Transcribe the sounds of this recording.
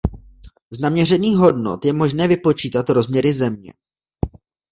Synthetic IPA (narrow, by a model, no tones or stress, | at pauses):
znamɲɛr̝ɛniːɣɦo̞dno̞̰t̪jɛmo̞ʒnɛːvɪpo̞t͡ʃiːt̪at̪ɾo̞zmɲɛɾɪzɛmɲɛ̰